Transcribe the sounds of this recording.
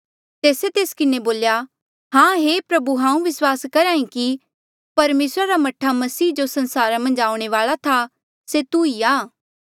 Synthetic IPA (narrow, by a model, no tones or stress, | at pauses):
t̪eːset̪eːskɪneboːlja | ɦãːɦepɾɐbuɦãːũʋɪswaːskɐɾãːĩki | pɐɾmeːsɾaɾamɐʈʰːamɐsiːd͡ʒosɐ̃nsaːɾamɐ̃nd͡ʒaːʊ̃ɽ̃eʋaːɭat̪ʰa | set̪uiaː